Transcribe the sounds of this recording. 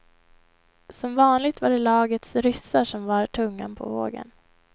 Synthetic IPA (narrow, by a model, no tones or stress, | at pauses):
sɔmvɑːnlɪɡ̚t̪vaɖɛlɑːɡət̪sɾʏsːaʂɔmvaɾʈʰɵŋːapʰɔ̰vo̰ːɡə̰n